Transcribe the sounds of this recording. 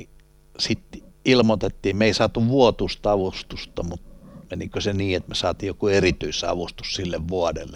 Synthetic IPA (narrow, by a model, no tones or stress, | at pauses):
i | sit̪ilmot̪et̪ːiːmeisɑːt̪uʋʋuot̪ust̪ɑʋust̪ust̪ɑmut̪menikøseniːet̪mesɑːt̪iːjokuerit̪yisɑ̰ʋust̪u̥ssilːeʋʋuɑdḛlːe